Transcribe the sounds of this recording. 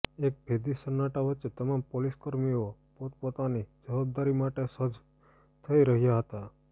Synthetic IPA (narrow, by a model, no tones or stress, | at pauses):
ek̚bʱed̪isənːaʈaʋətːt͡ʃet̪əmampoliskəɾmio | pot̪̚pot̪anid͡ʒəʋab̚d̪aɾimaʈesəd͡ʒ | t̪ʰəiɾəɦjaɦət̪a